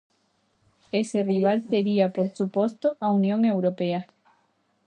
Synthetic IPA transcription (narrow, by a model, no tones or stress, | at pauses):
eseriβ̞alseɾiapoɾsupost̪oʔaunjõŋewɾopea